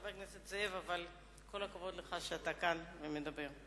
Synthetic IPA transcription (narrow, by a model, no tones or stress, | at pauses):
bekneset̪t͡seevaval | kʰo̞lakavo̞d̪leχaʃeat̪akanvemed̪abe̞ʁ